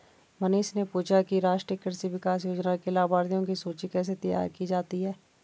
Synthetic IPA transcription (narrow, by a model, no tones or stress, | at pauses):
məneːʃnepuːt͡ʃʰakiɾaːʃʈɾjəkəɾsiʋɪkaːs̬joːd͡ʒnakelaːbaːɾd̪ijõkisoːt͡ʃikɛːs̬et̪əja̰ːɾkid͡ʒaːt̪iɦɛː